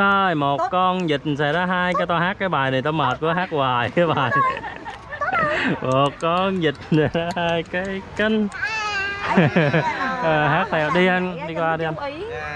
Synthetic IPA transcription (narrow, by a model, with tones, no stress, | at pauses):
əː˧˩jmo˨˩t̚kɔ˧nzi˨˩t̚nsɛ̰˧˩˥zaː˧ɦaː˧jkaː˨˦jt̪ɔ˧ɦaː˦˥kːaː˨˦jɓaː˨˩jna˨˩t̪ɔ˧məː˨˩t̚ku˨˧˦əɦaː˦˥k̚waː˨˩jkə˨˦ɓa̰ː˧˨˩n | mo˨˩t̚kɔ˧nzi˨˩t̚sɛ˧˩zaː˧haː˧jkaː˨˦jkə˧˩ŋ | ʔəː˨˩ɦaː˦˥k̚t̪ʰɛ˧˩wɗi˧ʔə˧nɗi˧kwaː˧ɗi˧ʔa˧n